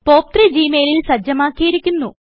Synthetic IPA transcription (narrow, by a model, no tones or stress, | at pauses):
po̞ːp̚t̪red͡ʑiːmeːlilsɐd͡ʑɐmaːkːijiɾikʲːunːu